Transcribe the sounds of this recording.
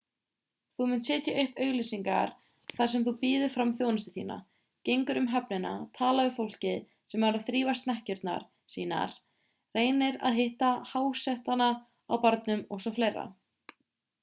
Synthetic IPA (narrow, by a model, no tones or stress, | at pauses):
θumʏnt̪sɛːt̪jaʔʏhpœːɥɣlisiŋka̰ɾ̥ | θaɾ̥sɛmθupiːðʏfɾamθjownɪst̪ɪθḭːna̰ | cejŋkʏɾʏmɦɛpnɪna̰t̪ʰaːlaʏfowl̥cɪð | sɛmvaɾaðθɾiːvast̪nɛhcʏɾt̪na̰ɾ̥ | sḭːna̰ɾ̥ | reːjnɪɾa̰ðɦɪht̪ahaːwsɛht̪ana | awpaɾt̪nʏmɔɣsɔfleːjrːa̰